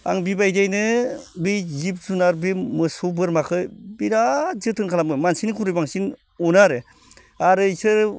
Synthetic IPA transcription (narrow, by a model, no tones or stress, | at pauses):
a̰ŋbibajdajnɯbizip̚zunaɾbimɯsobɯɾmakʰɯbiɾazɯtʰɯnkʰalamɯmansinɯkʰuɾɯjbaŋsin | onaɾɯ | aɾɯsɯɾ